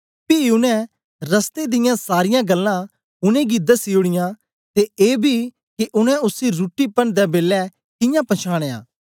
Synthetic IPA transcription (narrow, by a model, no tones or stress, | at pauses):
piʊnɛ̃ | ɾɐst̪ed̪ɪjãsaːɾɪjãɡɐlːã | ʊnẽɡid̪asiːʊɽ̃ɪjã | t̪eʔeːbʱi | kiʔʊnɛ̃ʊsiɾuːʈːipɐnd̪ɛbeːlːɛ | kɪjãpɐt͡ʃʰaːɽ̃eːa̰ː